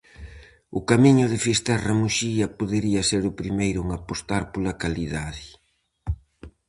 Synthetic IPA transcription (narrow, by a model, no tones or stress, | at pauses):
ʊkamiɲʊðɪfist̪ɛrɐmuʃiɐpoðeɾiɐseɾʊpɾimejɾʊŋapost̪aɾpolɐkaliðaðɪ